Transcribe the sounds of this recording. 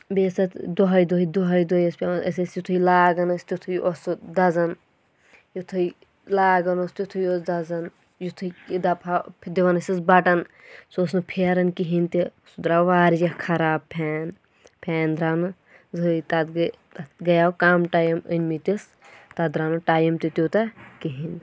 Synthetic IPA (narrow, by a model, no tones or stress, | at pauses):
besɐt̪d̪oɦɐjd̪ojd̪oɦɐjd̪ojɐsʲpʲaɐ̰sɐsjut̪ʰujlaːɡɐnɐsʲt̪it̪ʰujosd̪ɐzɐn | jut̪ʰuj | laːɡɐnost̪ʲut̪ʰujosd̪ɐzɐn | jut̪ʰujd̪ɐpʰapʰd̪iʋɐnɐsisbɐʈɐnsosnɨpʰeːɾɐnkiɦint̪isud̪ɾaʋaːɾd͡ʒɐkʰɐɾaːb̚pʰɛːn | pʲʰɛːnd̪ɾaːnɨ | zɨjt̪ɐt̪ | ɡɐjaːwkaːmʈaːjɐmənʲmit̪is | t̪ɐd̪ɾaːnuʈaːjimt̪it̪ʲut̪ɐkiɦin